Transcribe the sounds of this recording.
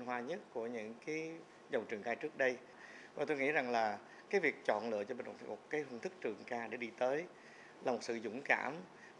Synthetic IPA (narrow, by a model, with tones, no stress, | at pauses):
nɦwaː˧ɲə˦˥t̚ku˧˩əɲɨ̰˧˥ŋkaː˨˦j | zə˨˩wŋ͡mt͡ɕɨ˨˩əŋkaː˧jt͡ɕɨ˦˥ək̚ɗə˧j | vaː˨˩t̪o˧jŋḭ˧˥za˨˩ŋlaː˨˩ | kaː˨˦jvi˨˩ək̚t͡ɕɔ̰˧˨nlɨ̰˧˨ət͡ɕɔ˧ɓï˨˩ŋ̟˨˩t̪ʰmo˨˩t̚kaː˨˦jhə˧nt̪ʰɨ˦˥k̚t͡ɕɨ˨˩əŋkaː˧ɗe˧˩ɗi˧t̪əː˨˦j | laː˨˩mo˨˩t̚sɨ̰˧˨zʊ̰˧˥ŋ͡mka̰ː˧˩m